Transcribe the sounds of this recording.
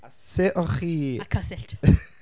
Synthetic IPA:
aseʔɔχiːakʰasɪɬt

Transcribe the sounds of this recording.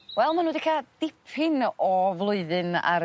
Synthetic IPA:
wɛlˠmanuːdikʰad̥ɪpʰɪnɔvlˠʊɨðɨna̰ɾ

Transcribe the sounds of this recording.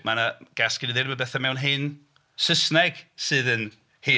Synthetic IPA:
manaɡ̥askɪniðɪnmabɛθamɛwnɦɪn | səsnɛɡ̥sɨðən | hi

